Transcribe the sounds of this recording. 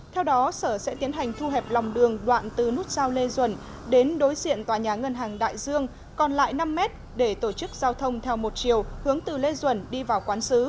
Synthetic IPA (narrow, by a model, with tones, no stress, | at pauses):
t̪ʰɛ˧wɗɔ˨˦səː˧˩sɛ̰˧˥t̪i˨˦ənɦa˨˩jŋ̟t̪ʰu˧ɦɛ˨˩p̚lɔ˨˩wŋ͡mɗɨ˨˩əŋɗwa̰ː˧˨nt̪ɨ˨˩nu˦˥t̚zaː˧wle˧zwə̰˧˩n | ɗe˨˦nɗo˨˦jzḭ˧˨ənt̪waː˨˩ɲaː˨˩ŋə˧nɦaː˨˩ŋɗa̰ː˧˨jzɨ˧əŋ | kɔ˨˩nla̰ː˧˨jna˧mːɛ˦˥t̚ | ɗe˧˩t̪o˧˩t͡ɕɨ˦˥k̚z̥aː˧wt̪ʰə˧wŋ͡mt̪ʰɛ˧wmo˨˩t̚t͡ɕi˨˩əwhɨ˨˦əŋt̪ɨ˨˩le˧zwə˧˩nɗi˧vaː˨˩wkwaː˨˦nsɨ˨˦